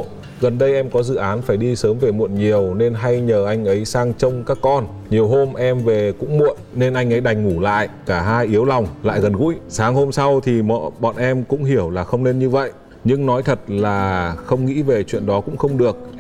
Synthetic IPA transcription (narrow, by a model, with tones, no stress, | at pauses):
ɣə˨˩nɗə˧jʔɛ˧mkɔ˨˦zɨ̰˧˨ʔaː˨˦nfaː˧˩jɗi˧səː˨˦mve˨˩mṵ˧˨ənɲi˨˩əwne˧nɦa˧jɲəː˨˩ʔa˧jŋ̟ʔə˨˦jsaː˧ŋt͡ɕə˧wŋ͡mkaː˦˥kːɔ˧n | ɲi˨˩əwɦo˧mʔɛ˧mve˨˩kʊ̰˧˥ŋ͡mmṵ˧˨ənne˧nʔa˧jŋ̟ʔə˨˦jɗa˨˩jŋ̟ŋu˧˩la̰ː˧˨jʔkaː˧˩ɦaː˧jʔi˨˦əwla˨˩wŋ͡mla̰ː˧˨jɣə˨˩nɣṵ˧˥jsaː˨˦ŋho˧msa˧wt̪ʰi˨˩mə̰ː˧˨ɓɔ̰˧˨nʔɛ˧mkʊ̰˧˥ŋ͡mɦi˧˩əwlaː˨˩xə˧wŋ͡mne˧nɲɨ˧və̰˧˨jʔ | ɲɨ˧ŋnɔ˨˦jt̪ʰə˨˩t̚laː˨˩xə˧wŋ͡mŋḭ˧˥ve˨˩t͡ɕwḭ˧˨ənɗɔ˨˦kʊ̰˧˥ŋ͡mxə˧wŋ͡mɗɨ˨˩ək̚